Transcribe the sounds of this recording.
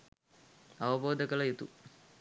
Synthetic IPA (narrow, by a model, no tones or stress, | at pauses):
ɐʋɐboːd̪əkɐlɐjut̪ṵ